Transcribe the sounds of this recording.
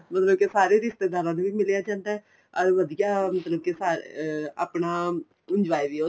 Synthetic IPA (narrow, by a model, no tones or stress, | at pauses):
mət̪ləb̚kesaːɾeːɾɪʃt̪eːd̪aːɾãːnũʋiːmɪlejaːd͡ʒãːnd̪aɦɛː | ɔɾʋəd̪ijaːmət̪ləb̚kisaːa̰ːpɳaː | ʊɲd͡ʒʋaːiʋiːo